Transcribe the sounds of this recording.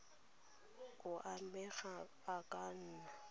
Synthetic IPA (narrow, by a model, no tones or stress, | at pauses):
kʼʊʔaɛɣa | akʼan̩ːna